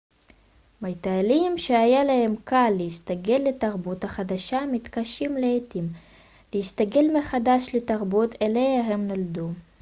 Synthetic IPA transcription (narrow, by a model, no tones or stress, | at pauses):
majt̪alimʃeajalahe̞mkalːeist̪aɡe̞lːe̞taʁbuthaχad̪aʃamit̪kaʃimleetim | lehist̪aɡe̞lmeχadaʃletaʁbutelejaɦemnaldu